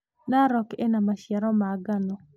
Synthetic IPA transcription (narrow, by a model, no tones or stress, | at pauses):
naɾɔkenamaʃjɛɾɔmaɡanɔ